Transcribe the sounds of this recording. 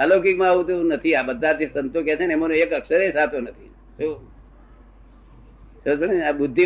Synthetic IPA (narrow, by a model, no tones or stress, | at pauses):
alokɪkmãaʋũt̪̬ũnət̪ʰiabəd̪ʱːad͡ʒesənt̪ok̬ɛsʰenemonoekəksəɾesat̪onət̪ʰḭ | so | səd͡ʒbənabʊd̪ʱːi